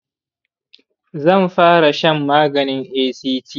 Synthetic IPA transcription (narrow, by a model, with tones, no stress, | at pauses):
zɐ˦˨mɸaː˦ɽa˨ʃɐ˦mːaː˦ɡɐ˨nɪ˦ŋʔeː˦siː˦tʰiː˦˨